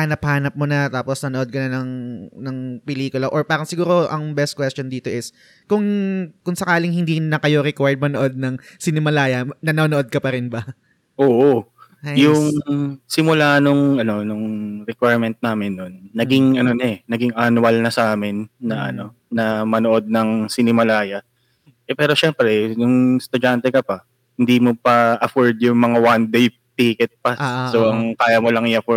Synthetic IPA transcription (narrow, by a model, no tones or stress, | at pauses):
aːnɐphaːnɐp̚mʊnɐt̪aːposnɐnoʔod̪̚kɐnanɐŋnɐŋpɛliːkʊlɐʔoɹpaːɾɐŋsɪɡuːɾo̞ʔɐŋbɛst̪̚kwɛst̪jond̪iːt̪o̞ʔɪs | kʊŋkʊŋsɐkaːlɪŋhɪnd̪inɐkɐjo̞ɾɛkwaɹd̪̚mɐnoʔod̪̚nɐŋsɪnɪmɐlaːjɐnɐnoːnoʔod̪̚kɐpɐɾɪnbɐ | ʔoːʔojʊŋsɪmʊlanʊŋɐno̞nʊŋɾɛkwajɹmɛnt̪̚naːmɪnːonːɐɡɪŋʔɐno̞nɛnɐɡɪŋʔɐnwɐlnɐsʔaːmɪnːɐʔɐ̰no̞ | nɐmɐnoʔo̞d̪̚nɐŋsɪnɪmɐlaːjɐ | ʔɛpɛːɾo̞ʃɛːmpɾɛjʊŋst̪ʊd͡ʒant̪ɛkɐpɐ | hɪnd̪imo̞pɐʔɐfoɹd̪jʊŋmɐŋawand̪ej | piːkɛt̪̚pɐssoʔɐŋkaːjɐmo̞lɐŋɪjɐfɔ